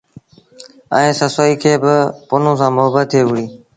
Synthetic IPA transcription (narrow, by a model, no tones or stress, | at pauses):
ə̃ːsəsoːiːkʰeːbɪpʊnõːsãːmʊɦəbət̪̚ʰːeːɦʊɽiː